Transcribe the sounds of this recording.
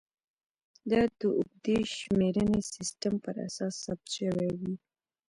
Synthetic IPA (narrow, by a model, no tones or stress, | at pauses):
d̪ɑd̪əʔʊɡd̪eʃmeɾənesɪsʈəmpəɾa̰sɑsːab̚t̪ʃəwɛwi